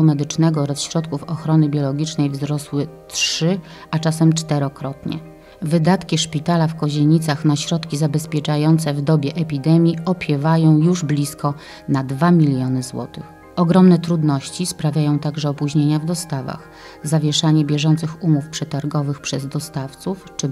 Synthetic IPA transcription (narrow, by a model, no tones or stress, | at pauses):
umɛd̪ɘt͡ʂnɛɡɔɔɾasɕɾɔt̪kufɔxɾɔnɘbʲjɔlɔɡʲit͡ʂnɛjvzɾɔswɘtʂɘ | at͡ʂasɛmt͡ʂt̪ɛɾɔkɾɔt̪ɲɛ̰ | vɘd̪at̪kʲiʂpʲit̪alafkɔʑeɲit̪saxnaɕɾɔt̪kʲizabɛspʲjɛt͡ʂajɔnt̪sɛvd̪ɔbʲjɛʔɛpʲid̪ɛmʲjiɔpʲjɛvajɔ̃w̃juʐblʲiskɔ | nad̪vamʲilʲjɔnɘzwɔ̰t̪ɘx | ɔɡɾɔmnɛt̪ɾud̪nɔɕt͡ɕispɾavʲjajɔ̃w̃t̪aɡʐɛɔpuʑɲeɲavd̪ɔst̪ava̰x | zavʲjɛʂaɲɛbʲjɛʐɔnt̪sɘxumufpʂɛt̪aɾɡɔvɘxpʂɛzd̪ɔst̪aft̪suft͡ʂɘ